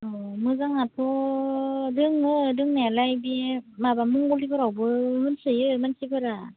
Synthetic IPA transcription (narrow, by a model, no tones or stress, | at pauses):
ɯmɯzaŋat̪ʰo | dɯŋɯdɯŋnalajbimabamuŋɡolibɯɾawbɯhɯnsɯjɯmansibɯɾa